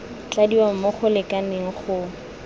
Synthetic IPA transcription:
t͡ɬadiwam̩mʊχʊlɪkʼanɪŋ̩χʰʊ

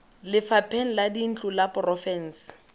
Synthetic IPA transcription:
lɪfapʰeŋ̩ladin̩t͡ɬʼulapʊrɔfɛn̩s

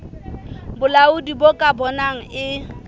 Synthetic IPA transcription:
bʊlaʊdibokʼabɔnaŋ̩ɪ

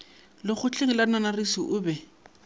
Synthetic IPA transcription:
lɪχʊt͡ɬʰʼeŋɪladɪnanarisiʔʊbɛ

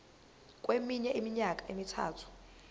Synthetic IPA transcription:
k̬ʼwemiɲɛʔimiɲakʼaemitʰa̰ːtʰu̥

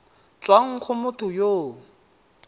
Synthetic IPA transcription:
t͡sʼwaŋ̩k͡xʰʊmʊtʰʊjoː

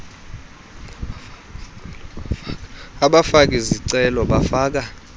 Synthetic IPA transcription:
aɓafak̬ɛziǀɛlɔɓafaːk̬a

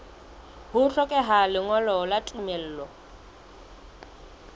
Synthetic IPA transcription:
hʊɬʰɔkʼɛɦalɪŋɔlɔlatʼumɛl̩ːlɔ

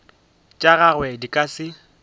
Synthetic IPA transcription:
t͡ʃʼaɣaɣwɛdikʼasɪ

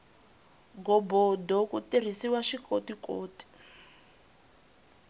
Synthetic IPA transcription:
ɡɔbɔdɔkutir̤isiwaʃikotikoːti̥

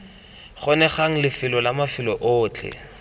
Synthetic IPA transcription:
χɔnɛχaŋ̩lɪfɪlɔlamafɪlɔʔʊːt͡ɬʰɛ̰

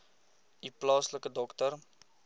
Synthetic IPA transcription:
iplɑːsləkədɔktər

